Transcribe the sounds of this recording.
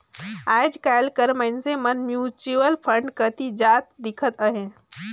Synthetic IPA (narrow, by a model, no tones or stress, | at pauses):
ajd͡ʒkajlkəɾməɪnsemənmjut͡ʃuəlpʰəɳɖkət̪id͡ʒat̪̚d̪ikʰət̪əɦẽ